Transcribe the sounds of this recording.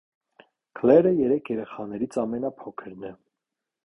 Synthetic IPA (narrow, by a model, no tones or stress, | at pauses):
kʰlɛɾəjɛɾɛkʰjɛɾɛχɑnɛɾit͡sʰɑmɛnɑpʰɔkʰəɾnɛ